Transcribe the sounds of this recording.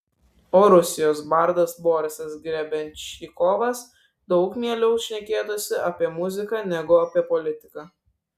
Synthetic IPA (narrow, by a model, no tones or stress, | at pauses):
oːɾʊsʲɪjoːsbɐɾd̪ɐsboːɾʲɪsɐsɡɾʲæbʲɛnʲiːkoːʋɐs | d̪ɒʊkmʲiɛlʲɛʊʃʲnʲɛkʲeːt̪osʲɪʔɐpʲiɛmʊzʲɪkɑnʲɛɡʊɐpʲiɛpɔlʲɪt̪ʲɪkɐː